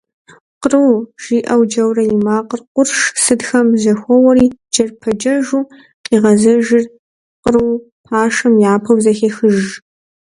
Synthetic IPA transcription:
qrɨwʒ̥iːʔɐwd͡ʒɐwrɐjɪmaːqərqʷʊrʂsɨdxɐmzɐxʷɔwɐɾiːd͡ʒɐrpʰɐd͡ʒɐʒuː | qʼiːʁɐzɐʒɪr | qərɨw | pʰaːʂɐmjaːpʰɐwzɐxexɨʒ

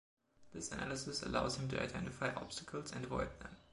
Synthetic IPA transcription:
ðɪsənælˠəsɨsə̰laʊz̥hɨ̃mtʰua̰ɪdɛ̰̃ntɪfaɪʔɑ̰b̥stəkʰl̩ˠzɨ̰̃ndəvɔɪd̚ðə̰̃m

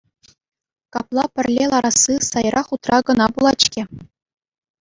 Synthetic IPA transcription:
kɑplˠɑpʲɘ̆rʲlʲelˠɑɾɑsːɯsɑjrʔɑχut̪rɑɡɤ̆nɑbulˠɑt͡ɕkʲĕ

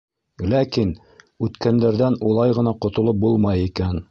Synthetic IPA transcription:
lækin | ʉt̪kænd̪æɾðænulˠɑjʁɤ̆nɑqŏt̪ŏlˠop̚bulˠmɑjikæn

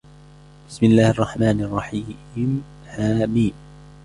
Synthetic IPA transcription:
b̥ɪsmɪlːaːhʔɑrˤːɑħmaːnɑrˤːɑħim | haːbiːm

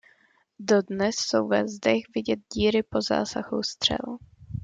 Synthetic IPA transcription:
dodnɛsːowvɛzdɛxvɪɟɛt̪̚ɟiːɾɪpoza̰ːsahust̪r̥ɛ̰l

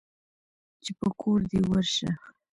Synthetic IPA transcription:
t͡ʃepəkʰoɾd̪ewəɾʃax

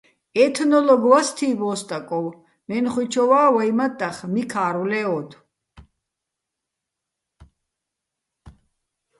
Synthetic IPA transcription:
ɛt̪ʰnɔlɔɡwast̪ʰiːbɔːst̪ʼakʼɔw | mɛnχwit͡ʃʰɔwaːwajmat̪ʼːaχmikʰaːɾulɛɔd̪

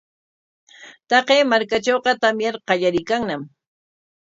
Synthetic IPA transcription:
t̪ɑqeːmaɾkat͡ʃowqɑt̪amjaɾqɑʎaɾɪjkaŋnam

